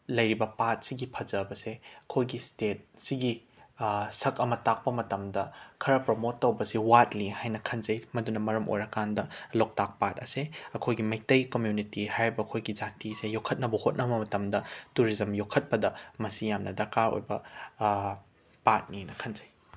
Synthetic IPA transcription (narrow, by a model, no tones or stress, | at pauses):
lɐjɾibɐpat̚siɡipʰɐd͡ʒɐbɐseɐkʰojɡistet̚siɡi | sɐkɐmɐtak̚pɐmɐtɐmdɐkʰɐɾɐpɾomotːɐwbɐsiwatlihajnɐkʰɐnzɐjmɐdunɐmɐɾɐmʔo̰jɾɐkandɐlok̚tak̚pat̚ɐseɐkʰojɡimɐj̚tɐjkomjunitihajɾibɐːkʰojɡid͡ʒatisejokʰːɐt̚nɐbɐhot̚nʔɐbɐmɐtɐmdɐtuɾizɐmjokʰːɐt̚pɐdɐmɐsijamnʔɐdɐɾkaɾo̰jbɐ | pat̚ninɐkʰɐnzɐj